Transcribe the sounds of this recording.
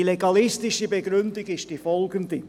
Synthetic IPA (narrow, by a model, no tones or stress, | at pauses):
leɡɑlɪstɪʃəbeɡɾʏndiɡɪʃd̥ifɔlɡəndi